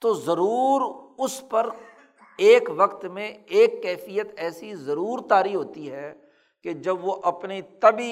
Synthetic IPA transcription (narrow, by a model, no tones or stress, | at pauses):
t̪oːzɐɾuːɾʊspɐɾ | eːkʋɐkt̪mẽeːkːɛːfijət̪ɛːsizɐɾuːɾt̪aːɾiɦoːt̪iɦɛː | ked͡ʒɐbʋoʔɐpnit̪ɐbi